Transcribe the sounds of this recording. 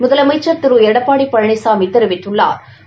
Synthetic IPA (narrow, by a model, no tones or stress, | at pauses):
mʊðɐlɐmɐɪt͡ʃːɐɾt̪ɪɾuɛɽɐpːaːɽipːɐɻɐɳɪsaːmɪt̪ːɐɾɯʋɪʈːɯɭːa̰ːɾ